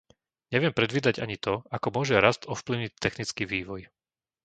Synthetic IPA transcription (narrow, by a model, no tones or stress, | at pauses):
ɲɛʋɪɛmpɾɛd̪ʋiːd̪aɟa̰ɲit̪ɔakɔmʊɔʒɛɾast̪ɔfpliʊɲict̪ːɛxnit͡skiʋiːʋɔj